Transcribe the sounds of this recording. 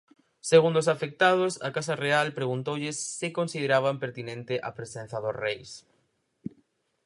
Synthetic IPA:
seɣund̪osafek̚t̪að̞ʊsɐkasarealpɾeɣ̞unt̪owʎɪsːɪkonsið̞eɾaβ̞ampeɾt̪inẽnt̪ɪʔɐpɾesen̟θɐðosrejs

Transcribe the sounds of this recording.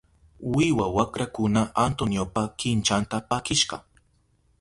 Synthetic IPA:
wɪwawakɾakʊnaant̪onjopakɪnt͡ʃant̪apakɪʃɢɑ̰

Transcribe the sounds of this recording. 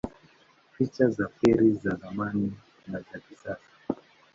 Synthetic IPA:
fit͡ʃazafɛɾizaðamani | nad͡ʒakisasḁ

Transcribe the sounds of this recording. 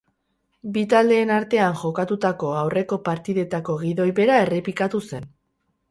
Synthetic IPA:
bit̪ald̪e̞ːnaɾt̪e̞aŋʝo̞kat̪ut̪ako̞awre̞ko̞paɾt̪iðe̞t̪ako̞ɣiðo̞jβe̞ɾae̞re̞pikat̪use̞n

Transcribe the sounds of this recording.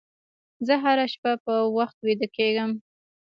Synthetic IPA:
zəɦaɾaʃpapəwaxt̪wid̪əkeɡəm

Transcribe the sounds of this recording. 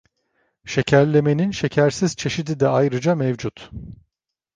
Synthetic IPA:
ʃe̞cʰæɾlʲe̞me̞ninʃe̞cʰæɾsiz̥t͡ʃʰe̞ʃid̪id̪ɛajɾɯd͡ʒamɛvd͡ʒut̪

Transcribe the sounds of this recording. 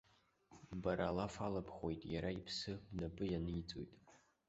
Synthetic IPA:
baɾaːlafalapʰχʷojtʼjaɾaipʰsɨbnapʼɨjanɨit͡sʼo̰jtʼ

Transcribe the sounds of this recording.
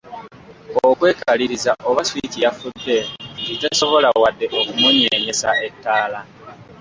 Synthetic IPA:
okwe̞ːkaliɾizaʔoβaswitijafudːe̞ditaso̞βo̞lawadːe̞ʔokumuɲeɲe̞sae̞tːaːla

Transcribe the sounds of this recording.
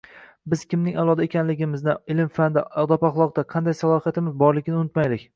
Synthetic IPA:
bɪz̥kʲʰɪmnɪŋalˠɒd̪aekʲʰanlɪɡʲɪmɪznɪɪlɪmfand̪ɪɒd̪ɒpaχlˠɒq̚d̪aqʰɑnd̪ajsalˠɒhijat̪ɪmɪzbɒɾlɪkʲɪnɪʊnɪt̪majlɪkʲ

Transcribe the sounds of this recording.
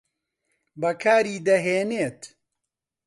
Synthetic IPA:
bɐkʰaːɾiːd̪ɐɦeːneːt̪

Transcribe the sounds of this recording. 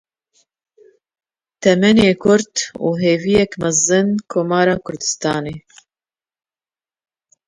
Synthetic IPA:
t̪ʰɛmɛneːkʰʊɾt̪ṵːɦeːvijɛkmɛzɨnkʰoːmɑːɾɑːkʰʊɾd̪ɨ̥st̪ɑːneː

